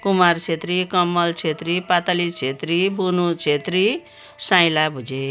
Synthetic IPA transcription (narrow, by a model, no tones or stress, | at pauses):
kumart͡sʰet̪rikʌmːʌlt͡sʰet̪ripat̪alit͡sʰet̪ribunut͡sʰet̪ri | sãjlabʱud͡ze